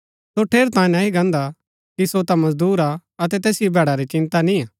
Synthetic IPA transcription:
soʈʰeːɾt̪ãːĩnaːiɡɐ̃ːnd̪a | kisot̪amɐzd̪uːɾaɐt̪̬ɛt̪ɛːsɪjobʱɛːɽaɾet͡ʃɪ̃nt̪anĩaː

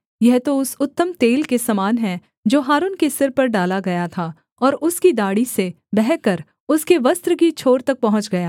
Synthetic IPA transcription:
jɛɦt̪oʊsʊt̪ːəmt̪eːlkesɐmaːnɦɛ̃ | d͡ʒoːɦaːɾuːnkesɪɾpɐɾɖaːlaɡɐjat̪ʰaː | ɔːɾʊskid̪aːɽise | bɛɦkɐɾ | ʊskeʋɐst̪ɾəkit͡ʃʰoːɾt̪ɐk̚pɐɦʊ̃t͡ʃɡɐjaː

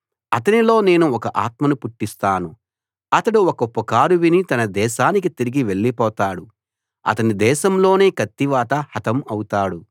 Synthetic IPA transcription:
ɐt̪ɐnilo̞ːne̞ːnuɔkɐʔaːt̪mɐnupuʈːist̪aːnu | ɐt̪ɐɽuɔkɐpɐkaːɾuʋinit̪ɐnɐd̪ɛːʃaːnik̬it̪iɾiɡiʋe̞ɭːipɔːt̪aːɽu | ɐ̰t̪ɐnid̪ɛːʃɐmlo̞ːne̞ːkɐt̪ːiʋaːt̪ɐhɐt̪ɐmɐwut̪aːɽu

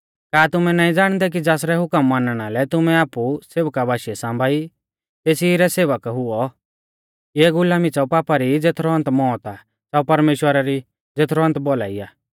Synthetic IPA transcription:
kaːt̪ʊmɛ̃naːĩd͡zaːɽ̃d̪ɛk̬id͡zaːsɾɛɦʊkəmːaːnɽ̃alɛt̪ʊmɛ̃aːpuseːʋəkabʱaːʃɛsãːmbʱaːi | t̪eːsiɾɛseːʋəkɦʊɔ | eːɡʊlaːmit͡sɐupaːpaɾid͡zeːt̪ʰɾɔɐ̃nt̪mɔːt̪a | saupɐɾmeːʃwəɾaɾi | d͡zeːt̪ʰɾɔɐ̃nt̪bola̰ːiaː

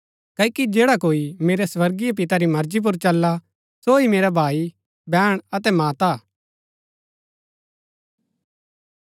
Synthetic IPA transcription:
kɐːikid͡ʒeːɽakoːimeːɾesʋɐɾɡijap̬ɪt̪aɾimɐɾd͡ʒip̬ʊɾt͡ʃɐlːa | soimeːɾabʱaːi | bɛːɽ̃ɐt̪ɛmaːt̪aː

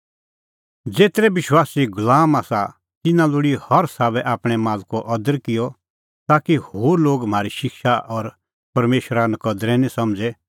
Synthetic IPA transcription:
d͡zeːt̪ɾɛbɪʃwaːsiɡʊlaːmaːsa | t̪ɪnãlʊɽihɐɾsaːʋɛʔaːpɽ̃ɛmaːlkɔʔɐd̪əɾkɪjɔ | t̪aːkihoːɾloːɡm̤ʱaːɾiʃɪkʃaʔɔɾ | pɐɾmeːʃɾanɐkɐd̪ɾɛnĩsɐmd͡zɛ

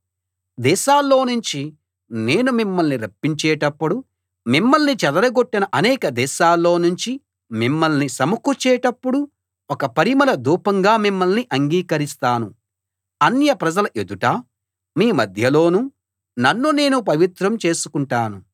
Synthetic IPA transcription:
d̪ɛːʃaːlːo̞ːnuɲt͡ʃi | ne̞ːnumimːɐlniɾɐpːiɲt͡ʃɛːʈɐpːuɽu | mimːɐlnit͡ʃɛd̪ɐɾɐɡo̞ʈːinɐʔɐnɛːkɐd̪ɛːʃaːlːo̞ːnuɲt͡ʃi | mimːɐlnisɐmukut͡ʃɛːʈɐpːuɽu | ɔkɐpɐɾimɐlɐd̪uːpɐŋɡaːmimːɐlniʔɐŋɡiːkɐɾist̪aːnu | ɐnjɐpɾɐd͡ʒɐlɐʔed̪uʈaː | miːmɐd̪ʱjɐlo̞ːnu | nɐnːune̞ːnupɐʋit̪ɾɐmt͡ʃe̞ːsukuɳʈaːnu

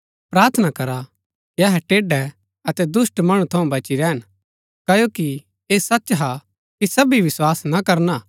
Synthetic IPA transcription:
pɾaːɾt̪ʰnakɐɾa | kiɐɦɛʈeːɖɛ | ɐt̪ɛd̪ʊsʈmɐɽ̃ũt̪ʰɐũbɐt͡ʃiɾɛːɦən | kɐjoːki | eːsɐtːt͡ʃɦa | kisɐbiʋɪswaːsnɐkɐɾnaː

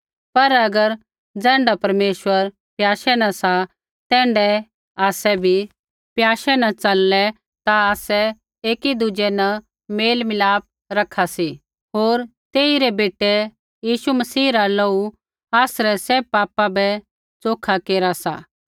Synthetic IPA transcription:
pɐɾɐɡəɾ | d͡zɛ̃ːɳɖapɐɾmeːʃwəɾ | pjaːʃɛnasa | t̪ɛ̃ːɳɖɛ | aːsɛbʱi | pjaːʃɛnɐt͡sɐlːɛ | t̪aaːsɛ | eːkid̪ʊd͡ʒɛnɐ | meːlmɪlaːp̚ | ɾɐkʰːasi | ɦoːɾt̪eːiɾɛbeːʈːɛ | jiːʃumɐsiːɾaloːu | aːsɾɛsɛːbpːaːpabɛ | t͡soːkʰakeːɾasa̰

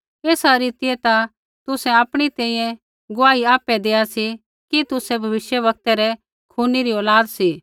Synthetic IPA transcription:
eːsaɾiːt̪ɪjɛt̪a | t̪ʊsɛ̃aːpɽ̃it̪ɛ̃ːĩjɛ̃ | ɡʊaːiaːpɛd̪eːasi | kit̪ʊsɛbʱɐʋɪʃjəʋɐk̚t̪ɛɾɛ | kʰuːniɾiɔːlaːd̪siː

